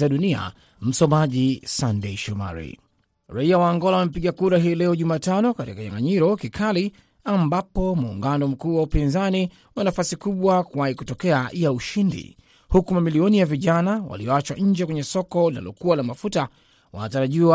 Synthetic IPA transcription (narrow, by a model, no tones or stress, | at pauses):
aɗunia̰ | m̩sɔmaʄisandeiʃɔma̰ɾḭ | ɾaiawaːŋɡɔlawamep̬iɠakuɾaɦilɛɔʄumaːtanɔkatikaɲa̰ŋɡaɲiɾɔkikʰali | ambapɔmuːŋɡanɔm̩kuːwaupinzani | wanafasikuɓwakuwaikutɔkɛajauʃindḭ | hukumamiliɔnijaviʄanawa̰liɔat͡ʃwaʔɲ̩d͡ʒɛkwɛɲɛsɔkɔla̰lɔ̰kuwalamafuta | wa̰nataɾaʄiwa